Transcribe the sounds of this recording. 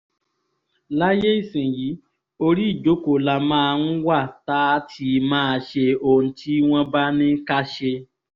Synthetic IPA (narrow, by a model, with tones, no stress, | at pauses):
la˦je˦i˦˨sĩ˨ji˨˦ | o˧ɾi˦i˦˨d͡ʒo˨˦ko˨la˧mãː˦˧n̩˦wa˦˨ta˦tʰi˧mãː˦˧ʃe˧o˧˨ñ̩˨ti˦w̃ɔ̃˦ba˦nĩ˦ka˦ʃe˧